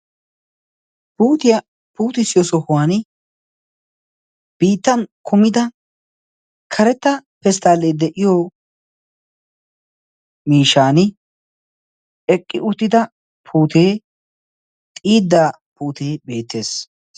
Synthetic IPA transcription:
puːt̪ɪjɐ | puːt̪ɪsɪjɔsɔhʊwaːnɪ | b̥iːt̪ːɐnkʰʊmɪd̪ɐ | kʰɐɾɛt̪ːɐpɛst̪aːlːeːd̪ɛʔɪjoː | miːʃaːnɪ | ɛkʼːɪʔʊt̪ːɪd̪ɐ | pʰuːt̪ʰeː | t̪ʼiːd̪ːaː | puːt̪ʰeːbe̞ːt̪ːe̞ːs

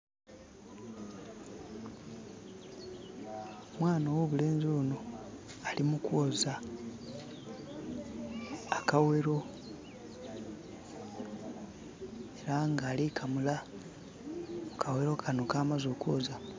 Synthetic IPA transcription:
mwaːnawoβule̞ːnziunoalimukwoza | kawe̞ɾo̞ | eɾaŋɡaːlikʰamula | mukʰawe̞ɾo̞kʰano̞kaːmazoːkwo̞za

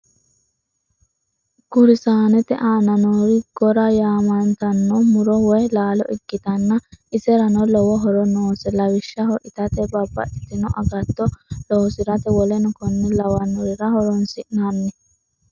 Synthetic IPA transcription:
ɡ̥ʊɾɪsaːnɛt̪ɛʔaːnɐnoɾɪɡ̥ɔɾɐjaːmɐnt̪ɐnːomʊɾɔwɔjlaːlɔ̰ʔɪɡːɪt̪ɐnːɐʔɪsɛɾɐnɔlɔwɔɦɔɾɔnoːsɛlɐwɪʃːɐɦɔʔɪt̪ɐt̪ɛbɐbːɐ̰ʔɪt̪ːɪnɔʔɐɡɐt̪ːɔloːsɪɾɐt̪ɛwɔlɛnʊkɔnːɛlɐwɐnːɔɾɪɾɐhɔɾɔnsɪʔnɐnːɛ

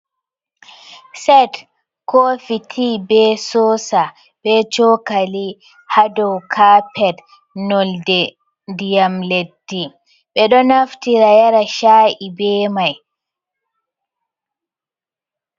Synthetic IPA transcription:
sɛt | koːfitʰibɛsɔːsa | ɓɛt͡ʃɔkali | hadɔwkʰapɛd | nɔldɛ | dijamledːi | ɓɛɗɔnaftiɾajaɾaʃaʔibɛːmaj

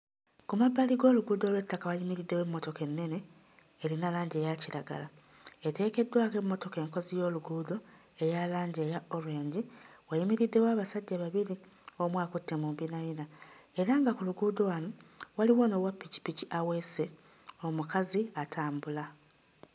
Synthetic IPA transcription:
kumabːaliɡo̞ːluɡuːdo̞lwe̞tːakawajimiɾidːe̞we̞mːo̞to̞ke̞nːe̞ne̞ː | ɾinalaːɲɟe̞ːjaciɾaɡa̰la | ete̞ːke̞dːwaːke̞mːo̞to̞ke̞ːŋko̞zijo̞ːluɡuːdo̞ | e̞jalaːɲɟeːjao̞lwe̞ːɲɟiwajimiɾidːe̞waːβasaɟːaβaβiɾi | o̞mwaːkutːe̞muːmbinaβinae̞ɾaŋɡakuluɡuːdowanowaliwo̞ːno̞wapːici̥piciawese | o̞mukaziatʰaːmbula

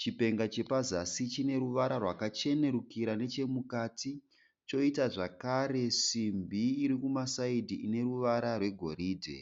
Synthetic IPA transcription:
t͡ʃipe̞ŋɡat͡ʃe̞pazasit͡ʃine̞ɾuʋaɾarwakat͡ʃe̞ne̞ɾukiɾane̞t͡ʃe̞mukaːti | t͡ʃo̞itaʐakaɾe̞ʂimbʱiːɾikumasaidʱiine̞ruʋaɾarwe̞ɡʱo̞̰ɾiːdʱe̞̰

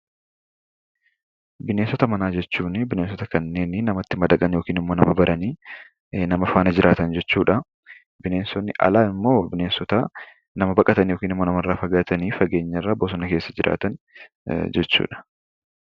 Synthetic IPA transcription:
bɪneːnsɔt̪ɐmɐnaːd͡ʒɛt͡ʃːuːnɪbɪneːnsɔt̪ɐkɐnːe̞ːnɪnɐmɐt̪ːɪmɐd̪ɐkʼɐnjo̞ːkiːnɪmːoːnɐmɐbɐɾɐniː | nɐmɐfaːnɐd͡ʒɪɾʔaːt̪ɐnd͡ʒɛt͡ʃːuːᶑɐ | bɪneːnsɔnːɪʔɐ̰laːɪmːo̞ːbɪneːnsɔt̪a | nɐmɐbɐkʼɐt̪ɐnjo̞ːkiːnɪmːoːnɐmɐrːaːfɐɡaːt̪ɐniːfɐɡe̞ːɲːɐrːaːboːsɔnɐkeːsːɐd͡ʒɪɾʔa̰ːt̪ɐn | d͡ʒɛt͡ʃːṵːᶑɐ̥

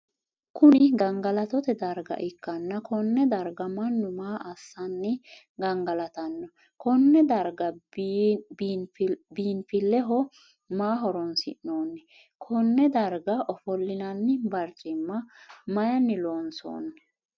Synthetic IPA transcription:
kʊnɪɡɐŋɡɐlɐt̪ɔt̪ɛd̪ɐɾɡɐ̰ʔɪkːɐnːɐkɔnːɛd̪ɐɾɡɐmɐnːʊmaːʔɐsːɐnːɛ | ɡɐŋɡɐlɐt̪ɐnːɔ | kʰɔnːɛd̪ɐɾɡɐ | b | biːnfɪlːɛɦɔ | maːɦɔɾɔnsɪ̰ʔnːoːnːɛ | kʰɔnːɛd̪ɐɾɡɐʔɔfɔlːɪnɐnːɪbɐɾt͡ʃʼɪmːɐmɐjɐnːɪloːnso̰ːnːɛ

